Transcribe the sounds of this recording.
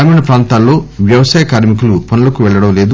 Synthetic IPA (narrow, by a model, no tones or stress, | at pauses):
aːmɐnɐpɾaːnt̪aːlːo̞ːʋjɐʋɐsaːjɐkaːɾmikulupɐnulɐkuʋɛɭːɐɽɐmle̞ːd̪u